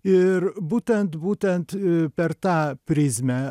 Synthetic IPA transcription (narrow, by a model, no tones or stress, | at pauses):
yɾbut̪ɛnt̪but̪ɛnt̪pɛɾt̪apɾizmɛ